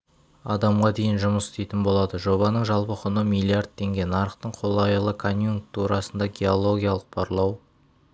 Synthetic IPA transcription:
ɑd̪ɑmʁɑd̪e̞jɪnʒʊməsɪ̥st̪ejt̪ɪnbo̞lˠɑd̪əʒo̞βɑnəɴʒɑlˠpəqʰʊnəmilˠiard̪̚t̪ʰːe̞ŋɡʲe̞nɑɾəqt̪əɴqʰo̞lˠɑjəlˠəkʰo̞njuŋk̚t̪ʰuɾɑsənd̪ɑɡʲe̞o̞lˠo̞ɡʲijalˠəq̚b̥ʰɑɾlˠɑw

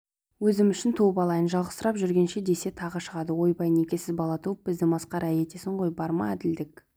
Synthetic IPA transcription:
wɵzɪmʏʃɪnt̪ʰowbɑlˠɑjənʒɑlˠʁəst̪əɾɑpʒʏɾɡʲenʃe̞d̪e̞se̞t̪ʰɑʁəʃəʁɑd̪əwo̞jbɑjne̞kʲe̞sɪzbɑlˠɑt̪ʰuwəp̚bɪzd̪ɪmɑsqɑɾæje̞t̪e̞sɪɴʁo̞jbɑɾmɑ̰æd̪ɪld̪ɪk

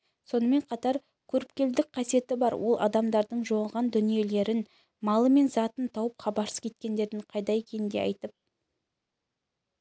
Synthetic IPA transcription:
so̞nəme̞ɴqʰɑt̪ɑɾ | kʲʰɵɾɪp̚kʲe̞ld̪ɪk̚qʰɑsije̞t̪ɪbɑɾwʔo̞lˠʔɑ̰d̪ɑmd̪ɑɾd̪əɴʒoɴɑlˠʁɑnd̪ʏnije̞le̞ɾɪn | mɑlˠəme̞nzɑt̪ənt̪ʰɑwəpqʰɑbɑɾsə̥kʲet̪̚kʲe̞nd̪e̞ɾd̪ɪɴqʰɑjd̪ɑekʲʰe̞nɪnd̪e̞̰ɑ̰jt̪əp̚

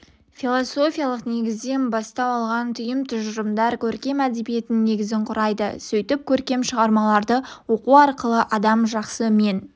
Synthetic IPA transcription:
filˠoso̞fʲijalˠəqne̞ɡʲɪzd̪e̞nbɑst̪ɑpɑlˠʁɑnt̪ʰʏjɪmt̪ʰʊʒəɾəmd̪ɑɾkʲʰɵɾkʲe̞mæd̪e̞bije̞t̪ɪnːe̞ɡʲɪzɪɴqʰʊɾɑjd̪ə̰sɵjt̪ɪp̚kʲʰɵɾkʲe̞mʃəʁɑɾmɑlˠɑɾd̪əwo̞quɑɾqəlˠəʔɑd̪ɑmʒɑqsəme̞n

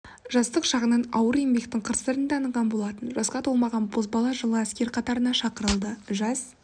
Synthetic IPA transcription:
ʒɑst̪əqʃɑʁənɑnɑ̰wəɾe̞mbe̞k̚t̪ɪŋqʰəɾst̪əɾənd̪ɑɑnəɴʁɑnbo̞lˠɑt̪ənʒɑsqɑt̪ʰolˠmɑʁɑnbʰozbɑlˠɑʒəlˠəæskʲe̞ɾqʰɑt̪ɑɾənɑʃɑqəɾəlˠd̪əʒɑz

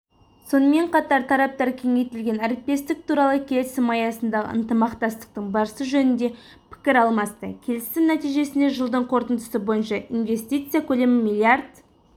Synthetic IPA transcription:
so̞nəme̞ɴqʰɑt̪ɑɾt̪ʰɑɾɑp̚t̪ɑɾkʲʰe̞ŋe̞jt̪ɪlɡʲe̞næɾɪp̚t̪e̞st̪ɪk̚t̪ʰuɾɑlˠəkʲʰe̞lɪsɪmɑjɑsənd̪ɑʁə̰ə̰nt̪əmɑqt̪ɑst̪ə̥q̚t̪əɴbɑɾəsəʒɵnɪnd̪e̞ | pʰɪ̥kʲɪɾɑlˠmɑst̪ə̰kʲʰe̞lɪsɪmnæt̪ijʒe̞sɪnd̪e̞ʒəlˠd̪əɴqʰo̞ɾt̪ənd̪əsəbo̞jənʃɑinve̞st̪ijt̪sɨjakʲʰɵle̞mɪmilʲˠiard̪

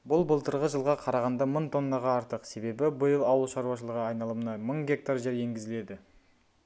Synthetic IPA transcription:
bʊlˠbəlˠt̪əɾʁəʒəlˠʁɑqʰɑɾɑʁɑnd̪ɑməɴt̪ʰo̞nːɑʁɑːɾt̪əqse̞be̞bɪbəjəlˠɑwəlˠʃɑɾuwɑʃ̬əlˠəʁɑɑjnɑlˠəmənɑməɴɡʲe̞k̚t̪aɾʒeɾje̞ŋɡʲɪzɪle̞d̪ɪ

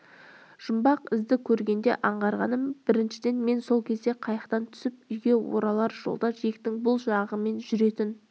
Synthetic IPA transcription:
ʒ̥ʊmbɑqɪzd̪ɪkʲʰɵɾɡʲe̞nd̪e̞̰ʔɑɴʁɑɾʁɑnəmb̥ɪɾɪnʃɪd̪e̞nme̞nso̞lˠkʲʰe̞zd̪e̞qʰɑjɑqt̪ɑnt̪ʰʏ̥sɪp̚ʏjɡʲe̞wo̰ɾɑlˠɑɾʒ̥o̞̰lˠd̪ɑʒek̚t̪ɪŋbʊlˠʒɑʁəme̞nʒʏɾe̞t̪ɪn

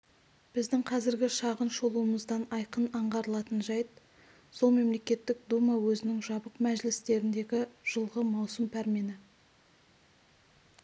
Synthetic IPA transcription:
b̥ɪzd̪ɪŋqʰɑzɪɾɡʲɪʃɑʁənʃolˠuəməzd̪ɑnɑjqənɑɴʁɑɾəlˠɑt̪ənʒɑjt̪̚ | so̞lˠme̞mle̞kʲe̞t̪ːɪk̚d̪umɑwɵzɪnɪŋʒɑbəqmæʒɪlɪst̪e̞ɾɪnd̪e̞ɡʲɪʒ̥əlˠʁəmɑwsəmpʰæɾme̞nɪ

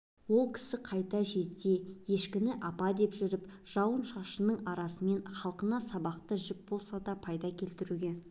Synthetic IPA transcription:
wo̞lˠkʲʰɪ̥sɪqʰɑjt̪ɑʒe̞zd̪e̞je̞ʃkʲɪnɪʔɑpɑd̪e̞pʒʏɾɪpʒ̥ɑwənʃɑʃənəɴɑɾɑsəme̞nχɑlˠqənɑsɑbɑqt̪əʒʏk̚bo̞lˠsɑd̪ɑpʰɑjd̪ɑkʲʰe̞lt̪ɪɾuɡʲe̞

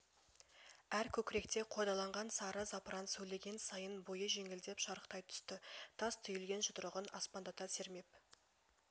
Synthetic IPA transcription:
æɾkʲʰɵkʲɪɾe̞kt̪e̞qʰod̪ɑlˠɑɴʁɑnsɑɾəzɑpɾɑnt̪sɵle̞ɡʲe̞nsɑjənbojəʒe̞ŋɪld̪e̞pʃɑɾəqt̪ɑjt̪ʰʏ̥st̪ɪt̪ʰɑst̪ʰʏjɪlɡʲe̞nʒʊt̪əɾəʁənɑspɑnd̪ɑt̪ɑse̞ɾme̞p

